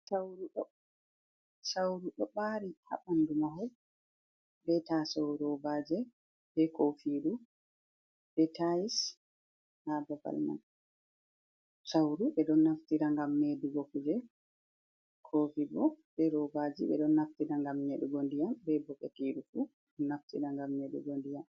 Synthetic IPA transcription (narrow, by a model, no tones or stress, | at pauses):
sawɾuɗɔ | sawɾuɗɔɓaɾiha̰ɓandumaɦɔl | bɛtasawɾɔbad͡ʒɛ | bɛkʰofiɗu | bɛtais | hababa̰lma̰n | sawɾuɓɛɗɔnːaftiɾaŋɡamːeduɡɔkud͡ʒɛ | kʰoːfibɔbɛɾɔbad͡ʒiɓɛ̰ɗɔnːaftiɾaŋɡamːeɗuɡondijambɛbɔɓɛkiːɗufu | ɔnaftḭɾaŋɡamːeɗṵɡondijam